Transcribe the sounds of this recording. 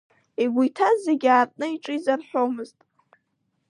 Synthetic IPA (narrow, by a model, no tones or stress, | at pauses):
eɡʷujtʰazeɡʲaːrʼnɨiʈ͡ʂʼɨizarħʷᶣomɨztʼ